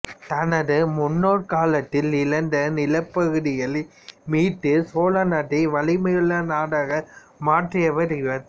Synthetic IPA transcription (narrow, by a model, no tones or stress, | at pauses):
t̪ɐnɐðɯmʊnːoːɾkaːlɐt̪ːɪlɪlɐnd̪ɐnɪlɐpːɐɣɯðɪjɐl | miːʈːɯsoːlɐnɐɽɐʋɐɭɪmɐjɯɭːɐnaːɽaːɣɐ | maːʈrɪjɐʋɐɾɪʋɐð